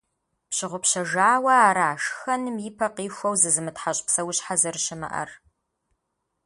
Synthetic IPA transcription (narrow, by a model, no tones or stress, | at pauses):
pɕɪʁʷʊpɕɐʒaːwɐaːɾaːʃxɐnɨmjiːpʰɐqiːxʷɐwzɨzɨmɨtħaɕʼpsɐwɕħazɨrɕɪmɐ̰ʔɐ̰r